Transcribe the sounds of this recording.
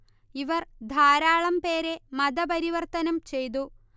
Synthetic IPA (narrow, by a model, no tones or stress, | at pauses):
iʋɐrd̪ʱaːɾaːɭɐmpe̞ːɾe̞mɐd̪ɐpɐɾiʋɐrt̪ɐnɐmt͡ɕe̞jt̪̬u